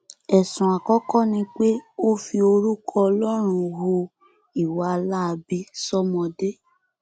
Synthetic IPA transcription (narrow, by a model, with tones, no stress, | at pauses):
ɛ˨sũ˨a˨kɔ˨˦kɔ˦˨nĩ˧k͡pe˦o˦fi˧o˧ɾu˦kʰɔ˧ɔ˧lɔ˦ɾ̃ũ˧wo˧ | i˦˨wa˨a˧la˦˧bi˦sɔ˦mɔ̃˧de˦